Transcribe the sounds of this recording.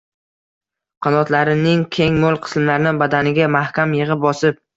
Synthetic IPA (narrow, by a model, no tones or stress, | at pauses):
qʰɑnɒt̪laɾɪnɪŋkʲʰe̞ŋmolˠqʰɨ̥smlaɾnɪbad̪anɪɡʲamahkʲamjɨʁɨp̚bɒsɪp̚